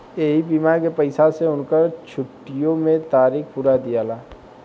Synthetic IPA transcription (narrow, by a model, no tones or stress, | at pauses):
eːɦibiːmaɾkepəɪsaseʊnkəɾt͡ʃʰʊʈːijõmẽt̪aːɾiːkʰpuːɾad̪ijaːlaː